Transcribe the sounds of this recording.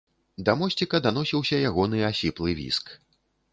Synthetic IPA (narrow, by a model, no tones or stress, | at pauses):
d̪ɐmɔsʲt͡sʲikɐd̪an̪ɔsʲiwsʲɐjaɣɔn̪ɨasʲiplˠɨvʲḭsk